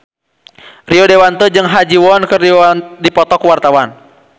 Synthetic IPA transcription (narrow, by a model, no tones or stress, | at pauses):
riɔdewant̪əd͡ʒɨŋɦad͡ʒiwɔnkəridipɔt̪ɔkuwart̪awan